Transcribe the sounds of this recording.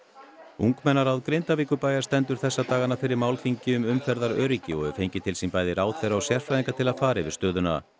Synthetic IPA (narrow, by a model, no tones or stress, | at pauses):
uŋkmɛnːaɾawðkɾejnt̪aviːkʏpaːjḁst̪ɛnt̪ʏɾ̥θɛsːat̪aːɣanafɪɾɪɾmaːwlfiɲcɪʏmʏmfɛɾðaɾœːɾicɪɔ̰ɣʏɾfejɲcɪt̪ʰɪlsimpaːjðɪɾaːwθɛjɾawsjɛr̥fɾaðiŋkat̪ʰɪlaðfaːɾɪvɪ̰st̪œːðʏna̰